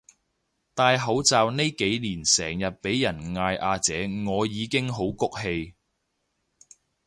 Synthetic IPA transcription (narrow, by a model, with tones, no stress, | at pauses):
t̪aː˧jɦɐ˨˥wt͡saː˨˧wne˥jke˨˥jliː˨˩nsɛː˨˩ŋjɐ˨t̚pe˨˥jːɐ˨˩nŋaː˧jʔaː˧t͡sɛː˨˥ŋɔː˨˧jiː˨˧kɪ˥ŋɦo˨˥wkʊ˨˥k̚he˧j